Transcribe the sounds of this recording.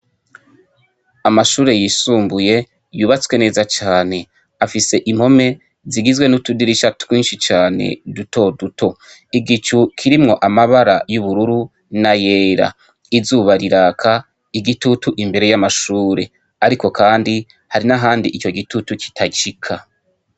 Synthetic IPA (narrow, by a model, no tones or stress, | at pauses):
amaʃuːɾe̞jisuːmbuje̞ | juːβat͡swe̞ne̞ːzat͡ʃaːne̞ | afise̞ʔimho̞me̞ | ziɡizɡwe̞nutudiɾiʃatkwiːnʃit͡ʃaːne̞̰duto̞duto̞ | iɡit͡ʃukʰiɾimŋo̞ʔamaβaɾajuβuɾuɾu | naje̞ːɾa̰ | izuːβaɾiɾaːkʰa | iɡitutuʔimbe̞ɾe̞jamaʃuːɾe̞ | aɾiko̞kʰaːndi | haɾinaɦaːndiʔit͡ʃo̞ɡitutuki̥tʰaɟikʰa